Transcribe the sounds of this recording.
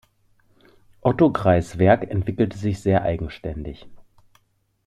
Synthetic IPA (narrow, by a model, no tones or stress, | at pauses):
ʔɔtokʁ̥aɪsv̥ɛɐkɛntv̥ɪkl̩təzɪçz̥eːɐʔa̰ɪɡŋ̩ʃtɛndɪç